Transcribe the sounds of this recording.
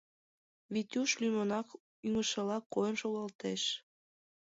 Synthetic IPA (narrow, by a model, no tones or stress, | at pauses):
βit̪ʲuʃlymonɑk | yŋəʃə̆lɑkːojəmʃoɣɑlt̪eʃ